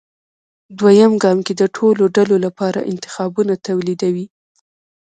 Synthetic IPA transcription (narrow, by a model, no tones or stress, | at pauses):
d̪wajamɡɑmked̪əʈʰoloɖalolapɑɾa̰ʔɪ̰nt̪ɪ̥xɑbunat̪awlid̪awi